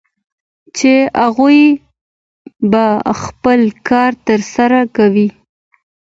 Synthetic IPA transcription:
t͡ʃeaɣuj | baxpəlkɑɾt̪əɾsaɾakawi

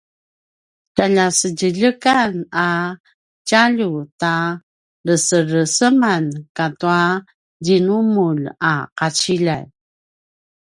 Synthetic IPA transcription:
caʎasəɟəʎəkana | caʎuta | ləsəɾəsəmankatua | dinumulaqat͡ɕiʎan

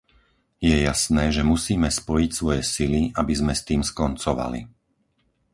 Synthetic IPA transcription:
jɛjasnɛːʒɛmusiːmɛspɔjicsʋɔjɛsiliabizmɛst̪iːmskɔnt͡sɔʋa̰lḭ

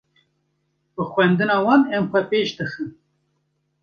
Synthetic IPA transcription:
bɨxwɛnd̪ɨnɑːwɑːnɛmxʷɛpeːʃd̪ɨxɨn

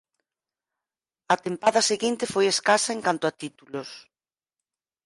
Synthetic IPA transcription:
ɐt̪empaðɐseɣint̪efojeskasɐeŋkant̪ʊat̪it̪ulos

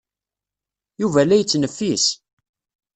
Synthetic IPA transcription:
juvælæjət͡sːnəfːis

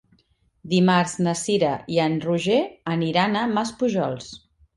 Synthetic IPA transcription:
d̪imaɾznəsiɾəiənruʒeəniɾanəmaspuʒɔ̰lˠs

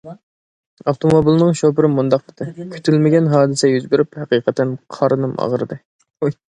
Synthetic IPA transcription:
ɑft̪ʰomobilˠnɨŋʃopɾɨmund̪ɑq̚ɨd̪̥ɨkʲʰy̥t̪ʰylmɪɡʲɛnɦɑːd̪ɨsɛjyzbɪɾyphɛqiːqʰət̪ʰːɛnqʰɑɾɨnɨmɑ̰ʁəɾɨd̪ɨ

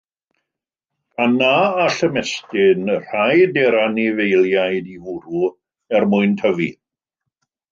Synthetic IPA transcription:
anaːɬəmɛstɪnər̥ajdɛɾanɪvejlˠjajdivuɾu | ɛrmʊɨntʰəvḭ

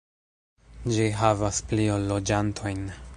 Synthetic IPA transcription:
d͡ʒiɦavaspliolːod͡ʒantʰo̞jn

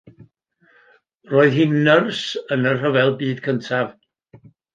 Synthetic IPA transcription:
roːɨðhiːnːərsənərrəvɛlˠbiːdkʰəntʰav

